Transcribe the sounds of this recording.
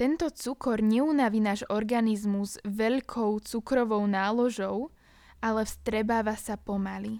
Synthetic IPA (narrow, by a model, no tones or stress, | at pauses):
t̪ɛnt̪ɔt͡sukɔɾɲɛunaʋiːnaːʒɔɾɡanizmuzʋɛʎkʰɔʊt͡sukɾɔʋɔʊnaːlɔʒɔʊ | ʔalɛfst̪ɾɛbaːʋasapɔmali